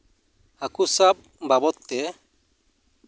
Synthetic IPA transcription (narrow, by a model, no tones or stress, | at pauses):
hakusap̚ | babɔt̪ːɛ